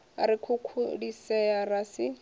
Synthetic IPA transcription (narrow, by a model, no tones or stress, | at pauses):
aɾikʰukʰudisɛjarasɪ